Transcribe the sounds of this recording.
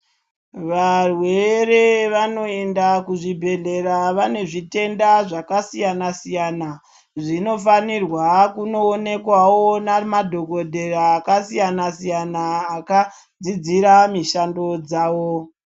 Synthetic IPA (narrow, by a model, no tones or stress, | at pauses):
ʋarwe̞re̞ʋano̞e̞ndakuʐibʱe̞ɮe̞ɾaʋane̞ʐite̞ndaʐakasijanasijaːna | ʐino̞fanirwakuno̞ːne̞kwawo̞namadʱo̞ɡo̞dʱe̞raːkasijanasijanaːka | d͡zid͡ziɾamiʃando̞d͡zaːwo